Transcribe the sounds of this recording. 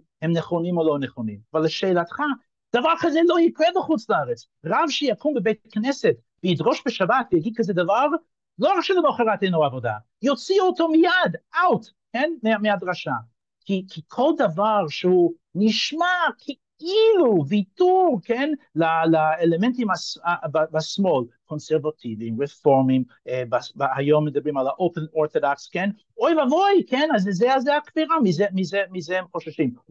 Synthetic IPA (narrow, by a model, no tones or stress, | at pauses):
hemneχonimoloneχonimavalːeʃeːlatχa | d̪̥avaʁkazɛlojikʁɛbeχut͡slaaʁet͡s | ʁavʃejakumbebejt̚aknɛset | veid̪ʁoʃbeʃabatvejaɡid̪̚kazɛd̪avaʁ | loʁakʃelenoχeʁat̪ejnoavoda̰ | jot͡siotomijadawt | kenmeamead̪ʁaʃa | kʰikʰikʰo̞ld̪avaʁʃehu | niʃmakʰe | iluvituʁkenlalaelementimasababasmolkʰonseʁvatʰivimʁefoʁmim | ebabahajomːed̪abʁimalaʔopenoɾθodaksken | ojvavojkʰenazzɛazeakviʁamizemizemizehemχoʃaʃim